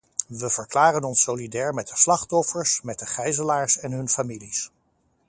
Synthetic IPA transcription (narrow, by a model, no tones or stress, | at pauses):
ʋəvəɹklaːrənɔnsolidɛːɹmɛt̚dəslɑχtɔfəɹsmɛt̚dəχɛjzəlaːɹsɛnɦɵnfamilis